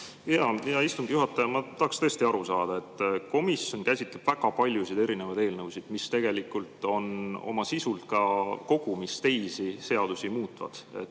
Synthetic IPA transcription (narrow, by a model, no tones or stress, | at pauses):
jɑjɑist̪uŋɡ̥ijuɦɑt̪ːˑɑjɑmɑt̪ɑhɑkst̪ɤest̪iɑɾusɑːd̪̥ɑe̞t̪ːˑko̞misjo̞nkæjsʲit̪ˑleb̥væɡ̥ɑpɑlʲjusid̪e̞ɾine̞vɑjd̪e̞ːlnɤwsid̪̥mist̪e̞ɡ̥e̞likːˑult̪ˑo̞no̞̰mɑsisult̪kɑko̞ɡ̥umist̪e̞jsise̞ɑd̪̥usimuːt̪ːˑvɑ̰d̪̥e̞̰t̪ːˑ